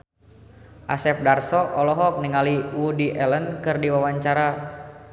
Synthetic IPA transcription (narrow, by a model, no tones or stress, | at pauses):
ʔasɛp̚darsɔʔɔlɔɦɔk̚niŋaliwudiʔɛlənkɨrdiwawaɲt͡ʃaɾa